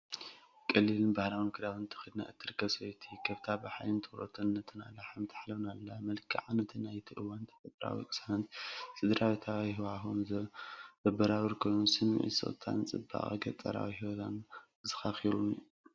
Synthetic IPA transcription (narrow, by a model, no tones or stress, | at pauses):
kʼɐlːilɨnbahɾawnɨkʰɨd̪awɨnt̪ʰɨ̥xɨd̪na̰ʔɨt̪ʰɨɾkʰːɐswojt̪ʰikʰɐβt̪ʰabɨħajnɨnt̪ʰɨ̥xɾo̰t̪ʰɨnːɐt̪ʰɨna̰lːaħamt̪ʰḁħlɐβnalːamɐlkʰiʕanɐt̪ʰɨnːajt̪ʰiʔɨwant̪ʰɐ̥sʼɨt̪ʼɾa̰wḭkʼɨsaɐnt̪sɨd̪ɾawit̪ʰawiɦwaxunzɐzɐbɐɾawɨɾkʰojnunsɨmːḭʕḭsɨ̰t̪ʰa̰nt͡sʼɨbːa̰χʼɡɐt͡s̪ʼɐɾa̰wihiwɔt̪ʰan | zɨxaxiɾu